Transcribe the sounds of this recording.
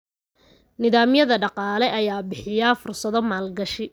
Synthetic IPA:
nɪðaːmjɐðɐɖɑqɑːlɛʔɐjaːbɪħɪjafʊrsɐðɔmaːlɡɐʃɪ

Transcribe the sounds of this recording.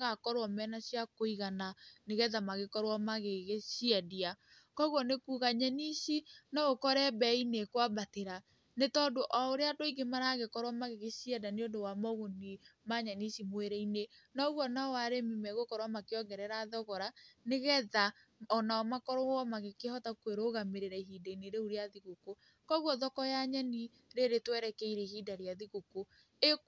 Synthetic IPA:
ɣakɔɾwɔmɛnasjakoiɣananeɣɛðamaɣekɔɾwɔmaɣeɣeʃiɛdia | kɔɣwɔnekuːɣaɲɛniʃinɔɣokɔɾɛbɛinekwabateɾa | netɔndoʔɔoɾeadoiɡemaɾaɣekɔɾwamaɣeɣeʃiɛdaneondowamɔɣonimaɲaniʃimoeɾɛinenɔɣwɔnawaɾemimɛɣokɔɾwamakeɔɡɛɾɛɾaðɔɣɔɾaneɣɛða | ɔnaɔmakɔɾɔɔmaɣekehɔtakweɾoːɣameɾeɾɛiɦidaineɾeuɾeaðiɣoko | kɔɣwɔðɔkɔjaɲɛni | ɾeɾetwɛɾɛkɛiɾɛhidaɾjaðiɣuko | e

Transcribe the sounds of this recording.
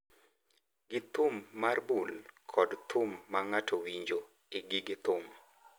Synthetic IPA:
ɡɪt̪ʊmːarbulkʰɔdt̪ʰʊmːaŋatʰowiɲd͡ʒo | ɪɡɪɡɪt̪ʊm

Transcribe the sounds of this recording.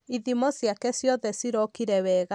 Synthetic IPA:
iðimɔsjakɛsjɔðɛsiɾɔkiɾɛwɛːɣa

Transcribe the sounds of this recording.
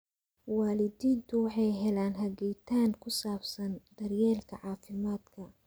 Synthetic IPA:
waːlɪd̪iːnt̪ʰʊwɑħɑjɦɛlaːnɦɐɡɛjt̪ʰaːŋkʰʊsaːbsɐnd̪ɐrjɛːlkʰɐʕɑːfɪmaːd̪kʰɐ

